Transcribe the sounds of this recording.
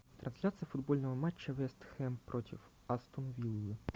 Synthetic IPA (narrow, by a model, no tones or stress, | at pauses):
t̪ɾʔɐnsʲlʲat̪sɨjəfʊd̪bolʲnəvəmat͡ɕːəvɛst̪xɛmpɾʔotʲɪ̰f | ast̪unvʲilʲˠi